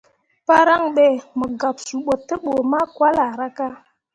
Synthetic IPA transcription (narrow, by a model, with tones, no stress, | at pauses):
pa˦ɾa˦ŋɓe˦˨mə˨ɡa˨p̚su˨ɓo˨tːə˦ɓo˨ma˦kwa˦la˨ɾa˦ka˦